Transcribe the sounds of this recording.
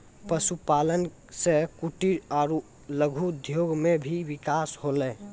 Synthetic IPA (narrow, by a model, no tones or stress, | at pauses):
pəsupalən | sekuʈiɾaːɾu | ləɡʱud̪ʱjoɡmebʱiʋikasholɛ